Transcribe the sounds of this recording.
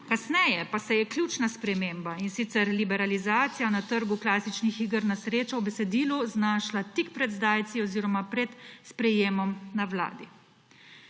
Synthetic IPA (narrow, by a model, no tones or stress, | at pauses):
kasnɛjɛpasɛjɛklʲjuːt͡ʃnaspɾɛmeːmbainsit̪sɛɾlibɛɾalizaːt̪sijanat̪əɾɡuklaːsit͡ʃnixiːɡəɾnasɾeːt͡ʃawbɛsɛd̪iːluznaːʃlat̪ikpɾɛd̪zd̪aːjt̪siɔziːɾɔmapɾɛt̪spɾɛjeːmɔmnawla̰ːd̪i